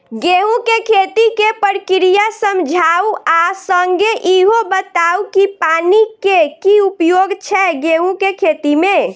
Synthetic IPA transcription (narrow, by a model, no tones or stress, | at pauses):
ɡeɦũkekʰet̪ikepəɾkiɾijasəmd͡ʒʱauasəŋɡeʔiɦobət̪aukipanikekiupjoɡt͡ʃʰɛɡeɦũkekʰet̪imẽ